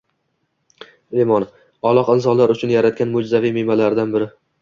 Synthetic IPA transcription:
emɒn | ɒlˠɒqɪnsɒnlaɾʊt͡ʃʰʊnjaɾat̪̚kʲanmʊd͡ʒzavijmemalaɾd̪anbɪɾɪ

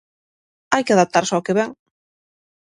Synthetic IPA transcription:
ajkeaðap̚t̪aɾsɔkeβɛŋ

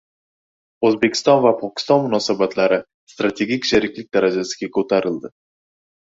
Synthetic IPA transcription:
ɵzbe̞kʲʰɪ̥st̪ɒnvapʰɒkʲʰɪ̥st̪ɒnmʊnɒsabat̪ʰlaɾɪ | st̪ɾat̪ʰe̞ɡʲikʲʃeɾɪkʲlɪk̚ʲd̪aɾad͡ʒasɪ̥ɡʲakʰɵt̪ʰaɾɪld̪ɪ

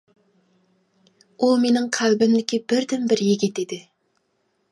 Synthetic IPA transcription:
umenɪŋqʰælbɪmd̪ɪkʲʰibɪɾd̪ɪmbɪɾjeɡʲɪd̪ed̪ɪ

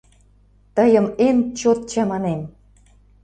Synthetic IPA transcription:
t̪əjə̆ment͡ɕot̪̚t͡ɕɑmɑnem

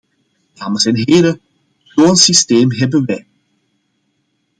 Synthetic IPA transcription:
daːməsɛnɦeːlə | ploːnsisteːmɦɛbənʋɛj

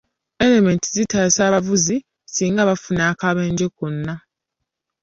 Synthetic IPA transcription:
e̞leme̞ntizitaːsaːβavuzi | siːŋɡaβafunaːkaβe̞ːɲɟekunːa

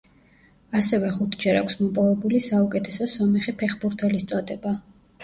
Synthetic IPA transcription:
asɛvɛχut̪ʰd͡ʒɛɾakʰʷsmɔpʼɔvɛbulisaukʼɛt̪ʰɛsɔsɔmɛχipʰɛχbuɾt̪ʰɛlist̪sʼɔd̪ɛba

